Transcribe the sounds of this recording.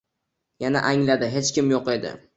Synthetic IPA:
jana̰ʔaŋlad̪ɪɦe̞t͡ʃkʲɪmjoqe̞d̪ɪ̰

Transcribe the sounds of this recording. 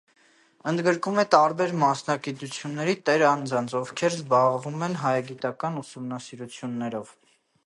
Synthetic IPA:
ənd̪ɡəɾkumɛt̪ɑɾbɛɾmɑsnɑɡit̪ut͡sʰjunːɛɾit̪ɛɾɑnd͡zɑnt͡sʰɔvkʰɛɾzbɑʁvumɛnɦɑjɑɡit̪ɑkɑnusumnɑsiɾut͡sʰjunːɛɾɔv

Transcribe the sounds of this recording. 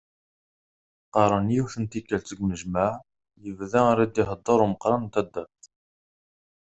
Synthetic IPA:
qɑɾˤənjiwθənt̪ikːælt͡s̪əɡməʒmaʕ | jəvðæɾæd̪iɦəd̪ˤːəɾuməqɾˤɑnt̪æd̪ːæθ

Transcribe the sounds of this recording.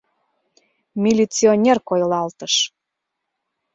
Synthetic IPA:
mʲilʲit͡sionʲerkojlɑlt̪əʃ

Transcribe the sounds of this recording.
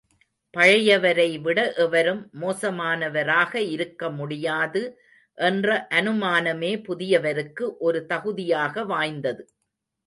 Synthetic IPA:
pɐɻɐjɐʋɐɾɐɪʋɪɽɐʔɛʋɐɾɯmːoːsɐmaːnɐʋɐɾaːɣɐɪɾɯkːɐmʊɽɪjaːðɯ | ʔɛndrɐʔɐnɯmaːnɐmeːpʊðɪjɐʋɐɾɯkːɯʔɔɾɯt̪ɐɣɯðɪjaːɣɐʋaːjnd̪ɐðɯ

